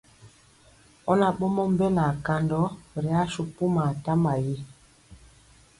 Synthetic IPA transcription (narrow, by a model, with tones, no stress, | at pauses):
ɔ˦na˨ɓɔ˦mɔ˦m̩˦bɛ˦la˨ka˨ndɔ˦ɾi˨a˦ʃu˦pu˦ma˨ta˦ma˨ji˦